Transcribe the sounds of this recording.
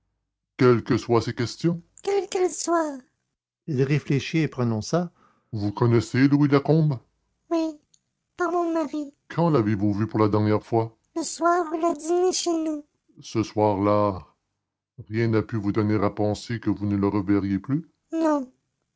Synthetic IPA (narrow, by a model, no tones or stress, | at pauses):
kʲɛlkəswasekʲɛst̪jɔ̃kʲɛlkɛlswaːʁ | ilʁefleʃiepʁɔnɔ̃sa | vukɔnɛseluilakɔ̃b | wi | paʁmɔ̃maʁikʰɑ̃lavevuvypuʁlad̪ɛʁnjɛʁfwa | ləswaːʁulad̪ineʃenu | səswaʁla | ʁjɛ̃napyvud̪ɔneʁapɑ̃sekəvunələʁəvɛʁjeply | nɔ̃